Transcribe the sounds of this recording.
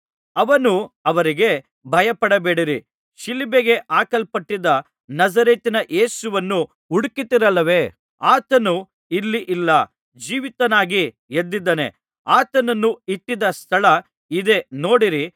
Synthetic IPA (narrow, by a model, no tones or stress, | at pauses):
ɐʋɐnuɐʋɐɾiɡe̞ | bʱɐjɐpɐɽɐbeːɽiɾi | ʃilibeɡe̞ʔaːkɐlpɐʈːid̪ɐ | nɐzɐɾeːt̪inɐʔeːsuʋɐnːu | uɽkit̪iɾɐlːɐʋe̞ː | aːt̪ɐnu | ilːiʔilːɐ | d͡ʒiːʋit̪ɐnaːɡi | ed̪ːid̪ːɐne̞̰ | aːt̪ɐnɐnːuiʈːid̪ɐst̪ʰɐɭɐ | id̪e̞no̞ːɽiɾi